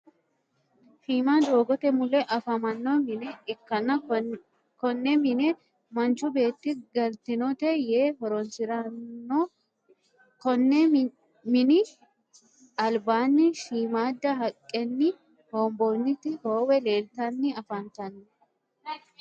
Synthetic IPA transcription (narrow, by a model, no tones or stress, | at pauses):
ʃiːmaːd̪o̞ːɡɔt̪ɛmʊlɛʔɐfɐmɐnːɔmɪnɛɪkːɐnːɐ | kɔnːɛmɪnɛ | mɐnt͡ʃːʊbe̞ːt̪ːɪɡɐlt̪ɪnɔt̪ɛjeːhɔɾɔnsɪɾɐnːɔ | kɔnːɛ | mɪnɪ | ɐlbaːnːɪʃiːmaːd̪ːɐɦɐkʼːɛnːɪ | hoːmbonːɪt̪ɪhoːwɛle̞ːlt̪ɐnːɪɐfɐnt̪ɐnːɔ